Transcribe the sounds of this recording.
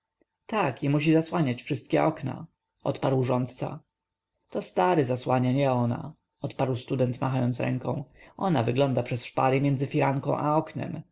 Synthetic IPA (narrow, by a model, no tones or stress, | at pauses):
t̪akimuɕ̬izaswaɲat͡ɕfʂɘst̪̚kʲɛɔkna̰ | ʔɔ̰t̪paɾwʐɔnt̪t̪sa̰ | t̪ɔst̪aɾɘzaswaɲaɲɛɔna̰ | ɔt̪paɾwst̪ud̪ɛnt̪maɦajɔnt̪sɾɛ̰ŋkɔ̃w̃ɔnavɘɡlɔnd̪apʂɛsʂpaɾɘmʲjɛnzɘfʲiɾaŋkɔ̃w̃ʔaɔknɛ̰m